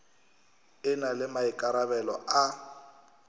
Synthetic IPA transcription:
ɪnalɪmaɪkʼaɾabɛlɔ̰ʔa

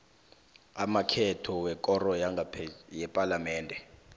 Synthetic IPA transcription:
amakʰɛtʰɔwɛkʼɔrɔjaŋajɛpʼalamɛːndʱɛ

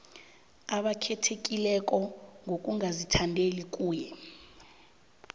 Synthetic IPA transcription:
aɓakʰɛtʰekʼilɛk̬ʼɔŋʱok̬ʼuŋazitʰandʱelikʼuːjɛ

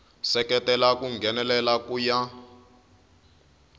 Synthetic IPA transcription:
sɛkɛtɛlakuŋɡʱɛnɛlɛlakuja

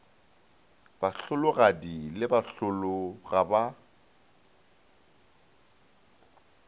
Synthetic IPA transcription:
b̥aɬʊlʊɣadilɪbaɬʊlʊɣaba

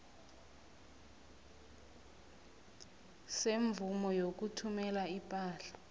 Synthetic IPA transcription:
seɱvumɔjok̬utʰumɛlaipʼaːɬḁ

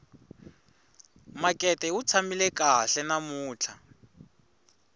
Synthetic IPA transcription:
makʼɛtʼɛut͡sʰamilɛkaɬɛnamuːt͡ɬʰa

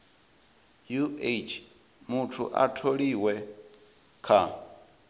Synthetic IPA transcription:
juet͡ʃʰ | mutʰṵʔatʰoɺiwɛ | kʰa

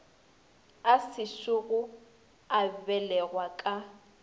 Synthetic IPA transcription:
asɪʃʊɣʊ | abɛlɛɣwakʼa

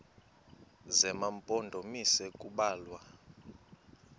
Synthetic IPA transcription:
zɛmampʼɔndʱɔmisɛkʼuɓaːlwa

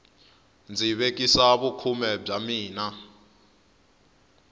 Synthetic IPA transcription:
nd͡ziβek̬ʼisaβukʰumɛb͡ʐamiːna

